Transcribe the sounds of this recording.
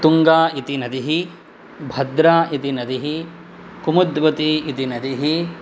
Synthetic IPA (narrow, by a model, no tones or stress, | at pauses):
t̪uŋɡaːit̪inɐd̪iɦi | bʱɐd̪ɾaːʔit̪inɐd̪iɦi | kumud̪ʋɐt̪iit̪inɐd̪iɦi